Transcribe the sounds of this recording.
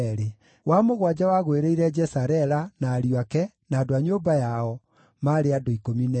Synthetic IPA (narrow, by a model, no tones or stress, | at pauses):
ɾe | wamoɣwad͡ʑawaɣweɾeiɾɛd͡ʒɛsaɾɛɾanaːɾjoakɛ | nadoaɲoːbajaɔ | maɾeadoikominɛ